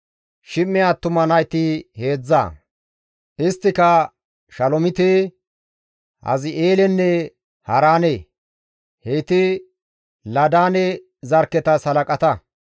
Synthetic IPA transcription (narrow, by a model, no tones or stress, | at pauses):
ʃɪmːɪjaːt̪ːʊmɐnɐjt̪ɪhe̞ːd͡zːa̰ː | ʔɪst̪ːɪkɐ | ʃɐlɔmɪt̪e | hɐ̰zɪeːlɛnːɛ | hɐɾaːneː | heːt̪ɪ | lɐd̪aːnɛ | zɐɾkːɛt̪ɐsɐlɐkʼɐt̪ɐ